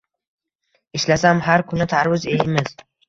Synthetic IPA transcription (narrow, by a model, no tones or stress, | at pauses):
ɪʃlasamhaɾkʰʊnɪt̪ʰaɾwɪze̞jɪmɪz